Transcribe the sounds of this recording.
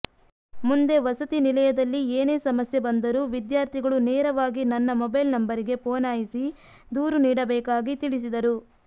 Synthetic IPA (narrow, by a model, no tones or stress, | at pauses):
mund̪e̞ʋɐsɐt̪inilɐjɐd̪ɐlːieːneːsɐmɐsjebɐnd̪ɐɾuʋid̪jaːɾt̪ʰiɡɐɭuneːɾɐʋaːɡinɐnːɐmɔbɐjlnɐmbɐɾiɡe̞poːnaːjisi | d̪uːɾuniːɽɐbɛːkaːɡit̪iɭis̬id̪ɐɾu